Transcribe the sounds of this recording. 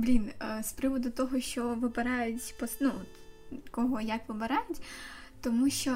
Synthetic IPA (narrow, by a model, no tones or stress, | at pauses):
blʲinspɾɪʋɔd̪ʊt̪ɔɦɔʃt͡ʃɔʋɪbɪɾɑjʊtʲpɔsnuɔt̪kɔɦɔjɐkʋɪbɪɾɑjʊtʲ | t̪ɔmuʃt͡ʃɔ